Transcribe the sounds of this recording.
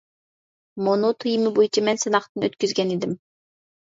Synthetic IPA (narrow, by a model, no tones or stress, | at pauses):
monot̪ʰujimɪbojit͡ʃʰɑmɛnsɨnɑχt̪ɨnøt̪kʲyzɡʲɛnid̪ɪm